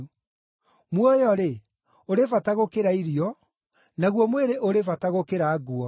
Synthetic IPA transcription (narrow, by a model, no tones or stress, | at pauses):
mwɔjɔɾe | oɾevataɣokeɾaiɾiɔ | naɣwɔmweɾeʔoɾevataɣokeɾaːɡuɔ